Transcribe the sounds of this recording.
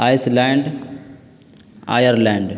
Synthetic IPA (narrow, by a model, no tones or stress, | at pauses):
ajslaːɳɖ | a̰jɐɾlaːɳɖ